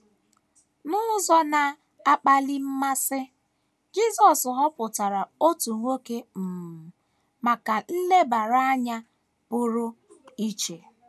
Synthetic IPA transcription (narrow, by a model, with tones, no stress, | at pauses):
nʊ˦zɔ˦na˨ | a˦k͡pa˨li˦m̩˦ma˦sɪ˦ | d͡ʒi˦zɔ˨sɦɔ˦pʊ˨ta˨ɾa˨o˦tu˨ŋʷo˦ke˦m̩˨ | ma˨ka˨n̩˦le˦ba˨ɾa˦ɲa˦ | pʊ˦ɾʊ˦ | i˦t͡ʃe˨